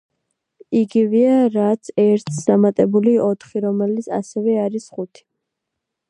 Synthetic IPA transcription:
iɡivɛaɾat̪sʰɛɾt̪ʰsd̪amat̪ʼɛbuliɔt̪ʰχiɾɔmɛlit̪sʰa̰sɛvɛaɾisχut̪ʰi̥

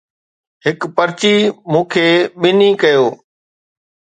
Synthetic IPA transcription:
ɦɪkpəɾt͡ʃiːmũːkʰeːɓɪniːkəjoː

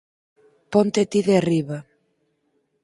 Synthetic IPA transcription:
pɔnt̪et̪iðeariβa

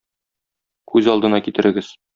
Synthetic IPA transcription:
kʉzɒlˠd̪ɤ̆nɑkit̪ɘ̆ɾʔɘ̆ɡɘz̥

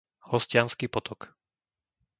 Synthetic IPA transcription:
hɔscɪanskiːpɔt̪ʰɔk

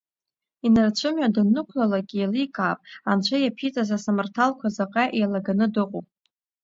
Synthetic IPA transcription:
inart͡ɕʷʰɨmɥadanɨkʷʰlalakʲʼiːlikʼaːpʼant͡ʃʷʰajapʰit͡sʼazasamartʰalkʷʰazaqʼaʔejlaɡanɨdɨqʼo̰pʼ

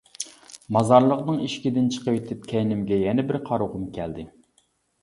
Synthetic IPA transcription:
mɑzɑɾlˠəqnɨŋiʃkʲid̪ɪnt͡ʃʰə̥qəwet̪ʰɪp̚kʲʰɛjnɪmɡʲɛjɛnɛbɪɾqʰɑɾuʁʊmkʲʰɛld̪ɪ

